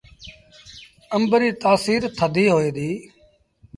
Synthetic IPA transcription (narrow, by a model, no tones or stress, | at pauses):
əmbɾiːt̪aːsiːɾt̪ʰəd̪ʱiːɦoːiːd̪iː